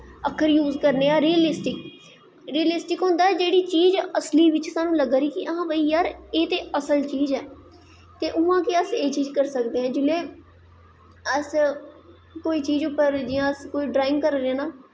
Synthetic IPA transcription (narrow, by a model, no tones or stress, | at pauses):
əkʰːəɾjuːzkəɾneːaːɾiːəlɪsʈɪk | ɾiːəlɪsʈɪkɦʊ̃nd̪aːɛːd͡ʒeːɽiːt͡ʃiːzəsliːʋɪt͡ʃsaːnũːləɡɾiːkɪʔəɦãːbəiːjaːɾeːt̪eːʔəsəlt͡ʃiːzɛː | t̪eːʔʊʋãːkeəseːt͡ʃiːzkəɾsəkd̪eːãːd͡ʒɪleː | əs | koːiːt͡ʃiːzʊpːəɾd͡ʒɪjãːəskoːiːɖɾaːɪ̃ŋɡkəɾɾeãːnaː